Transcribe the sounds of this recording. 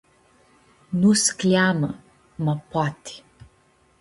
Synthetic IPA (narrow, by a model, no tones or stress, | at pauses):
nuskljamə | mapat̪i̥